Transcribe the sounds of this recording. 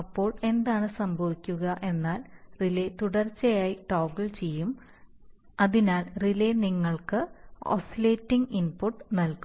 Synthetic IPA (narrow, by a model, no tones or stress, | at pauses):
ɐpːo̞ːɭe̞nd̪aːɳɨsɐmbʱɐʋikʲːuɣɐʔe̞nːaːlrilet̪uɽɐrt͡ɕːɐjaːjiʈoːɡilt͡ɕe̞jːum | ɐðinaːlrileniŋːɐɭkɨo̰sileːtːiŋɡinpuʈːnɐlku